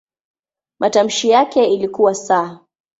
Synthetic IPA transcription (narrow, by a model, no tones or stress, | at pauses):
mʔatam̩ʃijakɛilikuwasaː